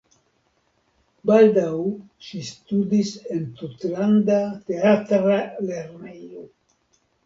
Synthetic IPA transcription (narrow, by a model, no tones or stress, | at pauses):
bald̪aw | ʃist̪udise̞nt̪ut̪landat̪e̞at̪ɾale̞ɾnejo